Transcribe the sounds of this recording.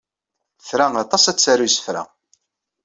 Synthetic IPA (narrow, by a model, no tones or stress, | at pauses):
θɾaɑt̪ˤɑsæt͡sːæɾusə̥fɾa̰